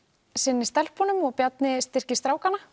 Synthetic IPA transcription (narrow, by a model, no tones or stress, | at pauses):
sɪnːɪst̪ɛlpʰɔnʏmɔɣpjat̪̚nɪst̪ɪr̥cɪ̥st̪ɾaːwkanːa